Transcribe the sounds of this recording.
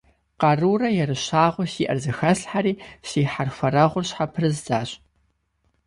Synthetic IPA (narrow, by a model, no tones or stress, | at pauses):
qɑruːrɐjɛrɨɕaːʁʷʊɕiːʔɐ̰rzɨxɐɬħaɾiːɕiːħarxʷɐrɐʁʷʊrɕħapʰrɨzzaːɕ